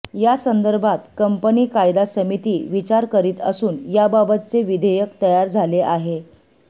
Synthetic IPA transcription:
jasənd̪əɾbʱat̪kəmpəniːkajd̪asəmit̪iːʋit͡ɕaɾkəɾiːt̪ə̰suːnjababət̪̚t͡seʋid̪ʱəjəkt̪əjaɾd͡zʱaleʔaɦe

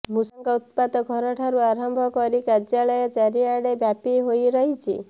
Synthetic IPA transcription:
musɔŋkɔut̪pad̪ɔɡʱɔɾɔʈʰaɾuaɾɔmbʱɔkɔɾikaɾd͡ʒjaɭɔjɔt͡ʃaɾiaɽebjapiɦojɾɔɦit͡ʃʰḭ

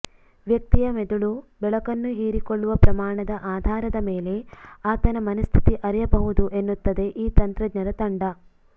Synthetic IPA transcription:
ʋjɐk̚t̪ijɐmed̪uɭubɛɭɐkɐnːuɦiːɾikoɭːuʋɐpɾɐmaːɳɐd̪ɐʔaːd̪ʱaːɾɐd̪ɐmeːle̞aːt̪ɐnɐmɐnɐst̪ʰi̥t̪iʔɐɾɛjɐbɐɦud̪uʔe̞nːut̪ːɐd̪e̞ʔiːt̪ɐnt̪ɾɐd̪nɐɾɐt̪ɐɳɖɐ

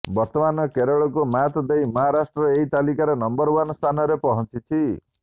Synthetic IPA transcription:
bɔɾt̪ɔmanɔkeɾɔɭɔkumat̪ɔd̪ejmɔɦaɾasʈɾɔeɦit̪alikaɾenɔmbɔɾwanst̪ʰanɔɾepɔɦɔnt͡ʃit͡ʃʰi

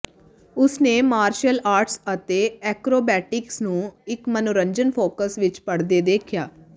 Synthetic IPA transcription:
ʊsneːmaːɾʃəlaːɾʈsət̪eːɛːkɾoːbɛːʈɪksnũːɪkmənoɾəɲd͡ʒənpʰoːkəsʋɪt͡ʃpəɽd̪eːd̪eːkʰjaː

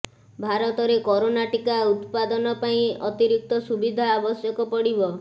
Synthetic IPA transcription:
bʱaɾɔt̪ɔɾekɔɾonaʈikaut̪pad̪ɔnɔpaĩɔt̪iɾik̚t̪ɔsubid̪ʱaːbɔsjɔkɔpɔɽibɔ

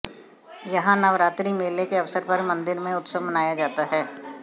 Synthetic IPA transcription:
jɐɦãnɐʋɾaːt̪ɾimeːlekeɐfsəɾpɐɾmɐ̃nd̪ɪɾmẽʊt̪səmɐnaːjad͡ʒaːt̪aɦɛː

